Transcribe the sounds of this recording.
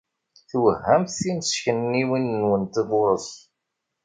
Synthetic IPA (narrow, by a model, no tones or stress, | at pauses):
θwəhːæmθiməsçənːiwinnwənt̪iðʊɾˤəs